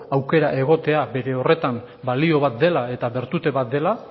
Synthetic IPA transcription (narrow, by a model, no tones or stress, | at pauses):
awke̞ɾaʔe̞ɣ̞o̞t̪e̞abe̞ɾe̞o̞re̞t̪am | balio̞β̞at̪̚d̪e̞lae̞t̪aβe̞ɾt̪ut̪e̞βat̪̚d̪e̞la